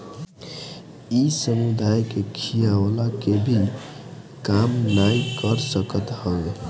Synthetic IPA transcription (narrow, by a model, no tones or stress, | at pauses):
isəmud̪ʱajkekʰijalakebʱi | kamnajkəɾsəkət̪həe